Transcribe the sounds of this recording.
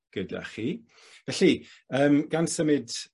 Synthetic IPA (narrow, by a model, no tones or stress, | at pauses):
ɡ̥əda̰χi | vɛɬi | əːmɡ̥ansəmɨd